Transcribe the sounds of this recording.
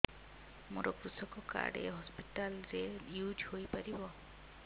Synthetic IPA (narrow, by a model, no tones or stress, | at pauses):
muɾɔkɾusɔkɔka̰ɖḛɦɔspiʈalɾejud͡ʒhojpaɾibɔ